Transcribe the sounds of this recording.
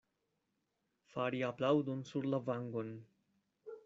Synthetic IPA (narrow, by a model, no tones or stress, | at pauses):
faɾiaplawdonsuɾlavaŋɡo̞n